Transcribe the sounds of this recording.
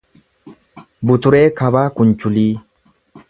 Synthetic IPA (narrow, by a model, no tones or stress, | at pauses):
bʊt̪ʊɾeːkʰɐbaːkʊnt͡ʃʊliː